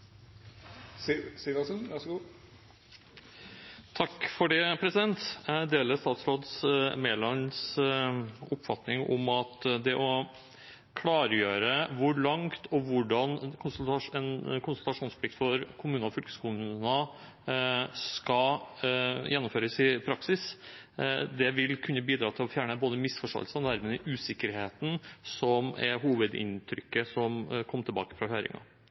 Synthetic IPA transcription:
silɑsənʋæʂɡuː | t̪ʰɑkːfɔɖɛpʰɾɛsɪd̪ɛnt̪d̪eːləst̪ɑːt̪sɾoːd̪smeːlɑns | ʊpːfɑt̪nɪŋɔmɑt̪d̪ɛʔɔ | kʰlɑːɾəjøːɾəʋʊɭɑŋt̪ʰɔʋʊɖɑnkʰʊnsɛnkʰʊnslt̪ɑʂuːnspʰlɪkt̪fɔɾkʰʊmʉːnɔfʏlkə̥skumʉnə | skɑ | jɛnːʊmføːɾəsɪpʰɾɑksɪs | d̪ɛʋɪlkʰʉnːəbiːd̪ɾɑːt̪ʰɪlɔfjæːɳəboːd̪əmɪsfɔʂʈo̰ːəlsəɔnæɾməɛʔʉːsɪkːəɾheːt̪n̩sɔmɛ̰ɦuːʋəd̪ɪ̰nt̪ʰɾʏkːəsɔmkʰɔmːət̪ʰɪlbɑ̰ːkə̥fɾɑɦøːɾɪ̰ŋɑ̰

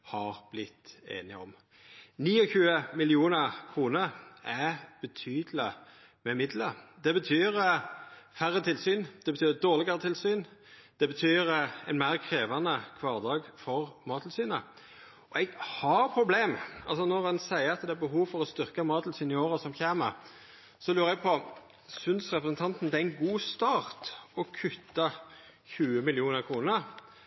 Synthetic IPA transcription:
hɑʁb̥lɪt̪ːḛːnɪɔ̰m | niːɔçʉːəmɪlɪuːnəʁkʰʁuːnəɾæb̥ət̪ʰyːd̪lə | mɛmɪd̪ləɾd̪ɛbət̪ʰyːɾəfæɾːət̪ʰɪlsyːnd̪̥ɛbət̪ʰyːd̪oːʁlɪɡɑɾət̪ʰɪlsyːn | d̪̥ɛbət̪ʰyːɾɛnmæɪʁkʰɾeːʋɑnəkʰʋɑːʁd̪ɑːɡfɔʁmɑːt̪ʰl̩syːnə | ɔɛɡhɑɾpʰɾʊbleːmɑlsɔnɔʁhɑnsæɪəɑt̪d̪ɛæɾbəɦuːʋfɔɾɔst̪ʏʁkəmɑːt̪lsyːnɪoːɾəsɔmçeːməɾ | sɔlʉːɾɛɡ̚pʰɔ | sʉnsʁɛpɾəsnt̪ʰɑnt̪n̩d̪ɛæɪnɡuːst̪ɑːʁt̪ɔkʰʉt̪ːɑ | çʉːəmɪlɪuːnəʁkʰɾuːnəɾ

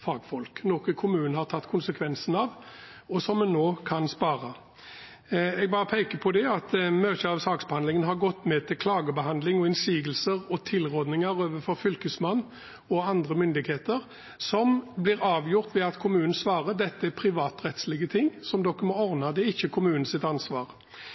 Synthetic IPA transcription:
fɑːɡfɔlknɔkəkʰʊmʉːnəhɑʁt̪ʰɑt̪ːkʰʊnsəkʰʋɛnsn̩ɑʋɔsɔmːɛnːoːkʰɑnspɑːɾɑ | ɛɡ̚bɑːʁəpʰɛɪkəpʰɔd̪ɛɑt̪møːt̪əɑʋsɑːksbəhɑnd̪lɪŋənɦɑʁɡɔt̪ːmɛt̪ʰɪlkʰlɑːɡəbəhɑnd̪lɪŋɔɪnsiːɡəlsəʁɔt̪ʰɪlʁɔd̪nɪŋəʁoːʋəfɔɾfʏlkəsmɑnː | ɔɑnd̪ʁəmʏnd̪ɪɡheːt̪əʁ | sɔmblɪʁɑːʋjʊʁt̪ʋɛɑt̪kʰʊmʉːnən̩sʋɑːʁəd̪ɛt̪ːəɛpʰɾɪʋɑːt̪ʁɛt̪slɪɡət̪ʰɪŋːsɔmd̪ɔkːəmɔɔʁnɑd̪ɛɪçːəkʰʊmʉːnən̩sɪt̪ɑnsʋɑːʁ

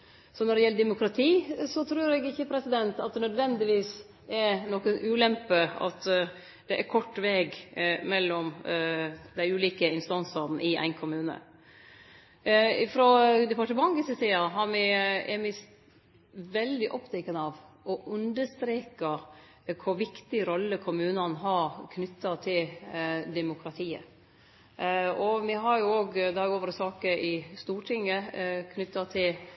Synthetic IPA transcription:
sɔnɔɖɛjɛlːəd̪ɛmʊkɾɑt̪ʰiːsɔt̪ʰɾʉːɾɛɡɪçːəpʰɾɛsɪd̪ɛnt̪ɑt̪̚d̪ɛnœd̪ʋɛnd̪ɪʋiːs | ɛɾnɔkənʔʉːlɛmpəɑ̰t̪ | d̪̥ɛʔæɾkʰɔʈːʋeːɡmɛlːɔm | d̪æɪʉːliːkəɪnst̪ɑnsɑɾn̩ʔɪæ̰ɪnkʰʊmʉːnə̰ | ɪfɾɔd̪ɛpɑʈəmɑŋɡɪsət̪iːɑɦɑɾmɪɛɾmɪ | ʋɛld̪ɪʔɔpt̪ʰɛkːənəɑʋʔɔʔʉnd̪əst̪ɾeːkɑ | kʰʊɾʋɪkt̪ɪɾɔlːəkʰʊmʉːnɑnɦɑɾkʰnʏt̪ːɑt̪ʰɪld̪ɛmʊkʰɾɑt̪ʰiːə̰ | ɔmɛɦɑɾjʊoːɡd̪ɛɑɾoːʋəɾsɑːkəʔɪst̪uːʈʰɪŋːəkʰnʏt̪ːɑt̪ʰɪl

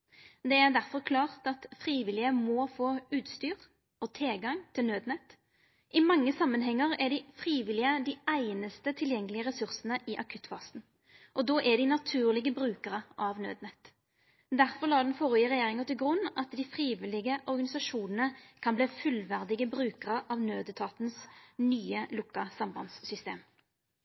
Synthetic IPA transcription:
d̪ɛæʁd̪æʁfɔʁkʰlɑːʁt̪ɑt̪fʁiːʋɪlɪəmɔfoːʉːt̪st̪yːʁ | ɔt̪ʰɛlɡɑŋt̪ʰɪlnøːd̪nɛt̪ː | ʔɪmɑŋːəsɑmːənɦɛŋːəʁæɖ̪ɪfɾiːʋɪlɪəd̪ɪæɪnəst̪ət̪ʰɪljɛŋːəlɪəʁɛsʉʁsənəʔɪʔɑkʰʉt̪ːfɑsn̩ | ʔɔd̪oːʔæɖ̪ɪnɑt̪ʰʉːʁlɪɡəbɾʉːkəʁəʔɑʋnø̰ːd̪nɛt̪ː | d̪æʁfɔʁlɑːd̪ɛnfɔʁɪəʁɛjeːʁɪŋət̪ʰɪlɡʁʉnːɑt̪d̪ɪfʁiːʋɪlɪɡəʔɔʁɡɑnɪsɑʂuːnənəkʰɑnbleːfʉlʋæʁd̪ɪɡəbʁʉːkəʁəʔɑʋnøːd̪ət̪ʰɑːt̪nsnyːəlʊkːɑsɑmbɑnsːʏst̪ḛːm

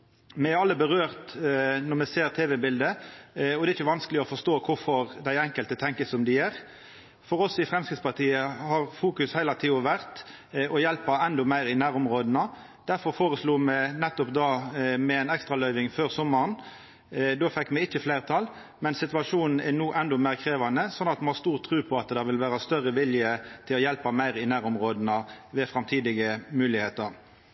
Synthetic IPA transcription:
mɛɛɑlːəbəʁøːʁt̪nɔʁmɛseːɾt̪ʰeːʋɛbɪld̪əɔd̪ɛːɾɪçəʋɑnskəlɪɔfɔst̪oːkʰʊɾfɔʁd̪æɪɛŋkəlt̪ət̪ʰɛŋkəsɔmd̪ɪjæɾ | fɔɾɔsɪfʁɛmskɪt̪spɑʁt̪ʰiːəhɑʁfuːkʉshæɪlɑt̪ʰiːɔʋæʁt̪ | ɔjɛlpɑɛnd̪ɔmæɪɾɪnæːɾʊmʁoːd̪ənə | d̪̥æɾfɔɾfoːʁəsluːmɛnɛt̪ːɔpd̪ɑːmɛɛnɛkst̪ɾɑlœʏʋɪŋføːʁsɔmːɑʁn | d̪oːfɛkːmɛɪçːəflæɪʁət̪ʰɑlː | mɛnsɪt̪ʋɑʂuːnn̩ænuːʔɛnd̪ɔmæːʁkʰɾeːʋɑnəsɔnːɑt̪mhɑɾst̪uːʁt̪ʰːɾʉːpʰɔɑt̪d̪ɛʋɪlʋæːɾəst̪œʁːəʋɪljət̪ʰɪlɔjɛlpɑmæɪʁɪnæːɾʊmʁoːd̪nəʋɛfɾɑmt̪ʰiːd̪ɪɡəmʉːlɪheːt̪əɾ

